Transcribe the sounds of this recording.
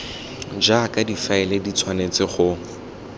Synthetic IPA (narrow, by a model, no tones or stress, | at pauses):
d͡ʒakʼadifaɛledit͡sʰwanet͡sɪχʊ